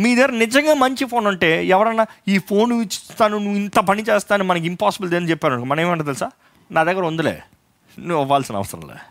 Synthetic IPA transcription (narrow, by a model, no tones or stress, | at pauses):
miːd̪eːɾnɪd͡ʒɐŋɡaːmɐɲt͡ʃifoːnɐɳʈeːɛʋɐɾɐnːaːiːfʰoːnʋit͡ʃːt̪aːnunuːɪnt̪ɐpɐnit͡ʃeːst̪aːnumɐnɐk̬ːimpaːsɪbld̪eːnːt͡ʃɛpːaːɾɐnɐkːmɐnɐeʋːɐɳɖɐt̪̬ɐlsaː | naːɐd̪ɛːkːɐɾʋɐnd̪ɐlḛː | nːɔʋːaːlsɐnɐ̰ʋɐ̰sɐɾɐ̰mlḛ